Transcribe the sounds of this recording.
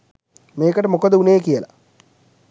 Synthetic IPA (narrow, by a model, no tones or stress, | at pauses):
meːkəʈəmokəd̪əuneːkiəla̰